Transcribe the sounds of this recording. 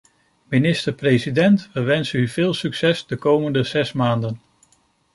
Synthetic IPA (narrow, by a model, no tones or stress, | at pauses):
minɪstəɹprejsidɛntʋəʋɛnsənyvɪːlˠsyksɛsdəkowməndəz̥ɛsmaːndən